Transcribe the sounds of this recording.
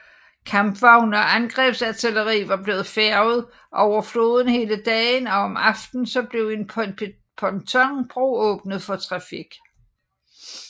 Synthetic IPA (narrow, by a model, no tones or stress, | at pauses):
kʰɑmb̥ʋɑ̈ʊ̰nɒænɡ̥ʁɛb̥sæt͡sʰeləʁḭːʋɑ̈b̥le̝ːð̩ˠfæɐʊð̩ˠ | ɒʊɐflo̝ːðˠən̩he̝ːləd̥ɛːnɒ̽ɒ̽mɑ̈fd̥n̩sɒ̽b̥le̝ʊe̝nʰ | pʰɒ̽nt͡sʰɒŋb̥ʁo̝̰ːɔ̽ːb̥nəð̞̩ˠfɒ̽t͡sʰʁɑ̈fiɡ̥